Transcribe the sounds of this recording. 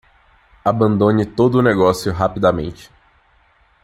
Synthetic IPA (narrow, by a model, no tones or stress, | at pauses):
abɐ̃nd̪õnɪt̪od̪ʊːneɡɔsjʊɦapid̪amḛ̃nt͡ʃɪ̥